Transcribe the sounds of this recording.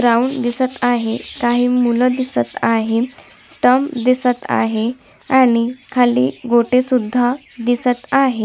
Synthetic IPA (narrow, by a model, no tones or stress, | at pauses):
ɡɾaund̪isət̪aɦekaɦiːmuləd̪isət̪aɦe | sʈəmd̪isət̪a̰ɦe | aɽ̃ikʰalḭːɡoʈesud̪ʱːa | d̪isət̪aɦe